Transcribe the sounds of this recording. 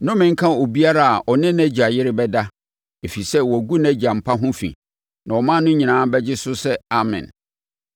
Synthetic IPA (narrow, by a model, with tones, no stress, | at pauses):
nʊ̃˦mɪ̃˨ŋ̩˦kʰã˦o˨bi˦a˦ɾa˦a˨ʔɔ˨nɪ̃˦næ˦d͡ʑi˨a˨jɪ˦ɾɪ˦bɛ˦da˦ | e˨fi˨sɛ˦wɔ˨æ˨ɡu˦næ˦d͡ʑi˨a˨m̩˨pʰa˦ɦʊ̃˦fḭ̃˨ | nã˨wɔ˨mã˦nʊ̃˦ɲĩ˨nãː˨˦bɛ˦d͡ʑɪ˦sʊ˦sɛ˦a˨mɪ̰̃˨n